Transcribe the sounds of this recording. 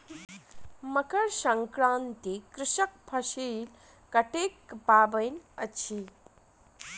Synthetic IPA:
məkəɾsəŋkɾaːnt̪ikɾɪʃək̚pʰɐsil | kəʈekbaːbəjnət͡ɕʰi

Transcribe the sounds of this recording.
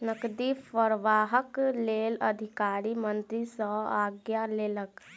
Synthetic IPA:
nəkd̪ipəɾʋaːɦəkleːlə̰d̪ʱɪkaːɾimə̃nt̪ɾisəaːɡjaleːlək

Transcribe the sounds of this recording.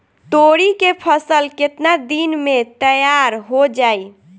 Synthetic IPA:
t̪oɽikepʰəsəlket̪nad̪inmet̪əjaɾɦod͡ʒaj

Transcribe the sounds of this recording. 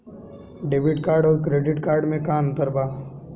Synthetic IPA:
ɖeːbɪʈkaːɾɖɔːɾkɾeːɖɪʈkaːɾɖmẽkaːmt̪ɐɾbaː

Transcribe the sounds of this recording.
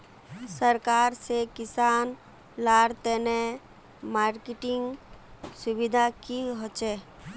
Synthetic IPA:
səɾkaːɾsekɪsaːn | laːɽt̪ene | maːɾkɪʈɪŋɡsʊbɪd̪ʱakiɦot͡ʃeː

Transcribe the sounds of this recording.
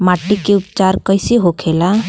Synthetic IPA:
maʈːikeupt͡ʃaɾkəjseɦokʰela

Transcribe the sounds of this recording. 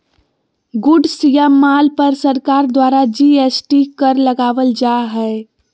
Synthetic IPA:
ɡʊɖsijammːalpəɾsəɾkaːɾd̪waɾad͡ʒiesʈikəɾləɡaʋəld͡ʒaɦɛ

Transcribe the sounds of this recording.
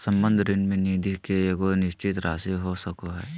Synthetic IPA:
sə̃mbə̃nd̪ʱɾɪnmẽniːd̪ʱikeeɡonɪʃt͡ʃɪt̪ɾʔaːsiɦosəkoɦɛ̰ː

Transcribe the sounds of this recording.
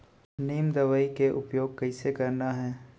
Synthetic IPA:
niːmd̪ɐʋaːikeʔʊpjoːɡ̚kɐɪsekɐɾnaɦɛː

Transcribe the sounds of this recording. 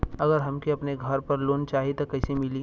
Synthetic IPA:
ɐɡəɾɦɐmkiɐpneɡʱɐɾpɐɾloːnt͡ʃaːɦit̪okɐɪsemɪliː

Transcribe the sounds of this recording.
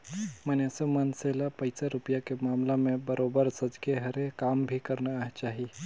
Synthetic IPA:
mənesemənselapəɪsaɾupijakemaːmlamẽbəɾʔobəɾsəd͡ʒɡeɦəɾekambʱikəɾnaaɦet͡ʃaːɦi

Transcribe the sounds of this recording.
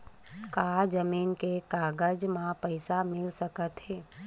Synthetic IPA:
kaːd͡ʒəmiːnkekaːɡəd͡ʒmãpəɪsamɪlsɐkət̪ɦɛː

